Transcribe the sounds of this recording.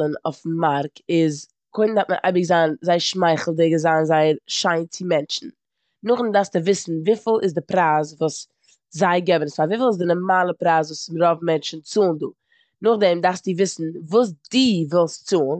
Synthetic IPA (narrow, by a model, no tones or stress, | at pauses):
ənɔ̰f̩maɾkɪz | kʰʊɪndatmənʔa̰ɪbɪɡzaːnzaɪʃmaɪχl̩ˠdɪɡəzaːnzaɪəɾʃaɪnt͡sɪmɛnt͡ʃn̩ | nʊχndaɾstɪvɪsn̩viːfɪlˠɪzdɪpɾaːs̬vuːs | zaɪɡɛbənsfaviːfɪlˠɪs̬dɪnɔɾmaːlˠəpɾaːsvuːsmɾɔbm̩mɛnt͡ʃn̩t͡suːnduː | nʊχdɛmdaɾsdɪvɪsn̩vuːs̬diːvɪlˠst͡suːn